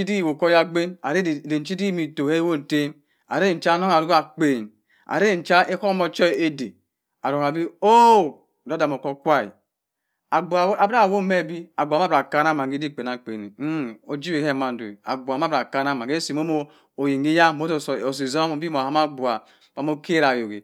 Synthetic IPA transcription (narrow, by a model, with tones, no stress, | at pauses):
i˦di˦˨wo˨ko˦ja˦ɡ͡be˦na˨ɾe˦˨de˨n̩˦t͡ʃi˦di˦mi˨to˨e˦wo˦n̩˨te˦m | a̰˨ɾe˦˨n̩˨˦t͡ʃa˦no˦ŋa˨ɾu˦a˨k͡pe˨n | a̰˨ɾe˦˨n̩˨t͡ʃa˦e˦ko˦mo˦t͡ʃɔ˦˨e˦dḛ˨ | a˨ɾo˨ka˨bi˦o˦˨ | do˦da˨m˨o˨ko˦kʷa˦ḭ˨ | a˨ɡ͡ba˨˦a˨ba˦˨wo˦me˦˨bi˦a˨ɡu˨ma˦bɾa˨ka˦na˦˨ma˨ŋɡi˦di˦˨k͡pe˨n˨a˨k͡pḛ˨ni˨˦o˨d͡ʒi˦be˨he˦˨ma˨n˨do˨a̰˨ɡʷa˨ma˦bɾa˨ka˦na˦ma˨e˦si˨m˦o˦mo˦ | o˨ji˨ŋi˦ja˦˨mo˦˨o˨si˨zo˦m˨bi˦mo˨a˦ma˦ɡ͡bu˨a˨ | pa˨m˦o˦kʰe˦ɾa˨jo˨ɡḛ˨